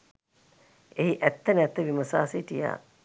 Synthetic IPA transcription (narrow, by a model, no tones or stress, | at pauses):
eɦiʔæt̪ːənɛt̪ːəʋiməsa̰ːsiːʈija̰ː